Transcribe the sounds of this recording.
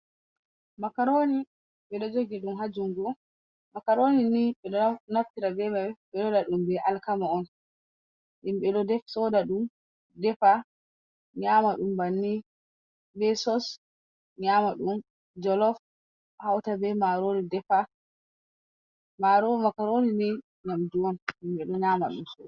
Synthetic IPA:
makaɾoni | ɓɛɗɔd͡ʒoɡiɗumɦad͡ʒuŋɡɔ | makaɾoniniɓɛɗɔnaftiɾadɛmaɓɛɗɔdaɗumbɛʔalkamaɔn | ʔimɓɛɗɔdɛfsɔdaɗum | dɛfa | ɲamaɗumbanːi | bɛsɔs | ɲamaɗum | d͡ʒɔlɔf | hawtabɛmaɾonidɛfa | maɾomakaɾonini | ɲamduɔnimɓɛɗɔɲama̰ɗumsɔda

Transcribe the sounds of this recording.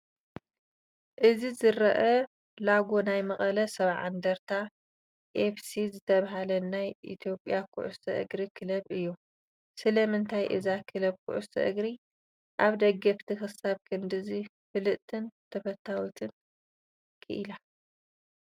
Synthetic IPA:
ʔɨzizɨɾɐʔɐ | laɡo̞najmɐχʼɐlɐsɐβʕa̰nd̪ɐɾt̪ʰa | ʔefsizɨt̪ʰɐβaɦalɐnajʔḭt̪ʰijo̞pʼːjakʰʊ̰ʕʊ̰st̪ʰɐʔɨ̰ɡɾikʰɨlɐβɨjːu | sɨlɐmɨnt̪ʰajʔɨzakʰɨlɐβkʰʊ̰ʔʊ̰st̪ʰɐ̰ʔɨ̰ɡɾi | ʔaβd̪ɐɡːɐft̪ʰixɨsaβkʰɨnd̪ɨzi | fɨlɨʔt̪ʰɨnt̪ʰɐfɐt̪ʰːawit̪ʰɨn | kʰɨʔila

